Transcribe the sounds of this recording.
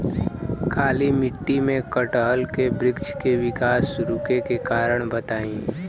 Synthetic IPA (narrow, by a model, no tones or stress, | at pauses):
kʰaːlimɪʈːimẽkəʈəɦəlkebɾɪkt͡ʃkeʋɪkaːsɾʊkekekaːɾəɽ̃bɐt̪aːĩː